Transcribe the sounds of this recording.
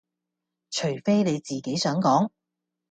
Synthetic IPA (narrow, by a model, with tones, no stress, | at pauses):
t͡ʃʰɵ˨˩ɥfe˥jne˨˧jt͡siː˨ke˨˥jsœː˨˥ŋkɔː˨˥ŋ